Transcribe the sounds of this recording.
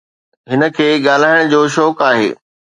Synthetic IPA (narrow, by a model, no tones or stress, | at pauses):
ɦɪnə̆kʰeːɠaːl̤aːɪɽ̃d͡ʑoːʃɔːkaːɦḛː